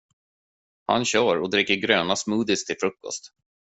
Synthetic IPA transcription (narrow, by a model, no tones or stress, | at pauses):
ha̰nɕœːɾɔd̪ɾɪkːəɾɡɾøːnasmʉːd̪ɪst̪ʰːɪlfɾɵkːɔ̰st̪